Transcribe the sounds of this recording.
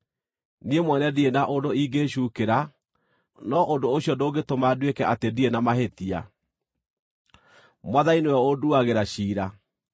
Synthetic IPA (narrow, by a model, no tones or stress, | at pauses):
niemwɛnɛdienaʔondoiɡeɕuːkeɾa | nɔʔondoːɕjɔdoɡetomadwekɛʔatedienamaɦetia̰ | mwaðainewɛoduaɣeɾaɕiːɾa